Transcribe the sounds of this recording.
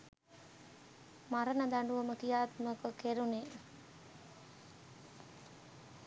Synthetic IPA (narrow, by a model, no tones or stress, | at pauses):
maɾənəd̪aɳɖuʋəməkijaːt̪məkəkeɾune